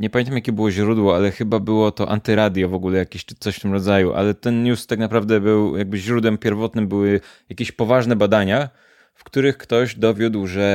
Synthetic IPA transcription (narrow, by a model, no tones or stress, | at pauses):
ɲɛpamʲent̪amjakʲɛbɘwɔʑɾud̪wɔalɛxɘbabɘwɔt̪ɔʔa̰nt̪ɘɾad̪ʲjɔvɔɡulɛjakʲeɕt͡ʂɘ̥t̪sɔɕft̪ɘmɾɔd̪zajuʔa̰lɛt̪ɛnɲust̪aknapɾavd̪ɛbɘwjaɡ̚bɘʑɾud̪wɛmpʲjɛɾvɔt̪nɘmbɘwɘjakʲeɕpɔvaʐnɛbad̪aɲa | fkt̪uɾɘxkt̪ɔʑd̪ɔvʲjud̪wʐɛ